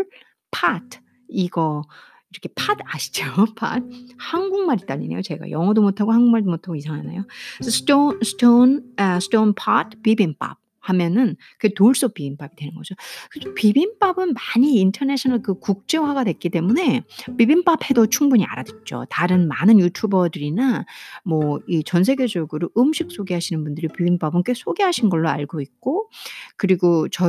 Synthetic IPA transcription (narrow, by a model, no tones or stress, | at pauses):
pʰatʰ | iɡʌ | iɾʌkʰe̞pʰadaɕʰi̥d͡ʑopʰa̰d̚hanɡuŋmaɾit͈aʎːḭne̞jot͡ɕe̞̰ɡa̰jʌŋʌdomotʰaɡohanɡuŋmaɭdomotʰaɡoisʰaŋɦana̰josʰst͈osʰt͈onsʰt͈onpʰatʰpibinp͈a̰p̚ | hamjʌnɯn | kɯetoɭs͈op͈ibinp͈abidwe̞nɯnɡʌd͡ʑokɯopibinp͈abɯnmaɲiːntʰʌneɕʰʌnaɭkɯkuk̚t͡ɕ͈e̞waɡadwe̞k͈it͈e̞mune̞pibinp͈apʰe̞dot͡ɕʰuŋbuɲia̰ɾadwet̚t͡ɕ͈o̰taɾɯnmanɯnjutʰubʌdɯɾinamwʌit͡ɕʌns̬ʰeɡe̞d͡ʑʌɡɯɾoʔɯmɕʰik̚s͈oɡeɦaɕʰinɯnbundɯɾipibinp͈abɯnk͈esʰoɡeɦaɕʰinɡʌɭːoa̰ɭɡoik̚k͈okɯɾiɡot͡ɕʌ